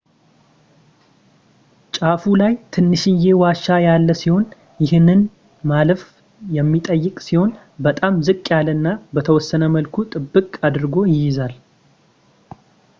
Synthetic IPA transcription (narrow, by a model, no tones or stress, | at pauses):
t͡ʃʼafulajt̪ʰɨnːɨʃɪnje̞waʃajalːəsiho̞n | jɪhɨnɨn | maləf | jɛmːit̪ʼəjːɪkʼsiho̞n | bət̪ʼamzɨkʼːjalənːabət̪ʰəwɔsːənəməlkʰut̪ʼɨbːɨkʼad̪ɨɾɡo̞jɪjɪzal